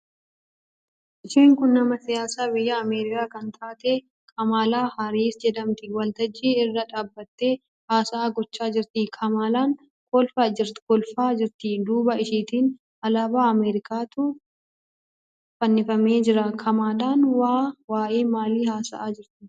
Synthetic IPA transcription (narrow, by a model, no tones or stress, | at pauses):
ʔɪʃiːŋkʊnːɐmɐsɪjaːsaːbɪjːɐːmeːɾɪkaːkɐnt̪ʰaːt̪e | kʰʼɐmaːlaːhɐɾiːsd͡ʒɛd̪ɐmt̪ɪwɐlt̪ɐd͡ʒːiːɪrːɐᶑaːbːɐt̪ːeː | haːsɐaːɡɔt͡ʃːaːd͡ʒɪɾt̪ɪkʰɐmaːlaːŋ | kɔlfaɪkɔlfaːd͡ʒɪɾt̪id̪uːbɐɪʃiːt̪iːn | ɐlaːbaːɐmeːɾɪkaːt̪ʊ | fɐnːɪfɐme̞ːd͡ʒɪɾɐkʰɐmaːlaːnwaːwaːʔeːmaːliːhaːsɐ̰ʔaːd͡ʒɪɾt̪ɪ